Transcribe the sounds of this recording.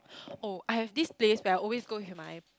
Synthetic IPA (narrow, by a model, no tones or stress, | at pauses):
oʔajhɛvdispleswɛaɪɔlwesɡoɦimaj